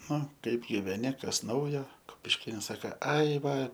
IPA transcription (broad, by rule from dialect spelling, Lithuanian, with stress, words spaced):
ˈnʊ ˈkɐɪp ɡʲɪʋʲɛˈnʲɪ ˈkɐs ˈnɐʊjoː kʊpʲɪʃʲˈkʲeːnɐs ˈsɑːkɐ ˈɐɪ ˈʋɐ